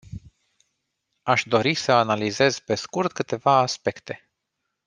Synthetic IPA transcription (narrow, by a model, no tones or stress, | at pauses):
aʃd̪o̞ɾisəanalize̞z̥pe̞skurt̪kɨt̪e̞vaːspe̞kt̪e̞